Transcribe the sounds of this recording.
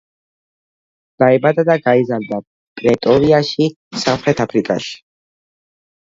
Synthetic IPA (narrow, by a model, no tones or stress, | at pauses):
d̪̥aɛbad̪ad̪aɡaizaɾd̪a | pʼɾɛt̪ʼɔɾiaʃi | samχɾɛt̪ʰapʰɾikʼa̰ʃi̥